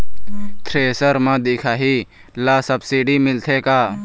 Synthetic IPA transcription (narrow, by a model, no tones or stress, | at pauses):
t̪ʰɾeːsəɾmãːd̪eːkʰaːɦi | laːsəbsiːɖimɪlt̪ʰeːkaː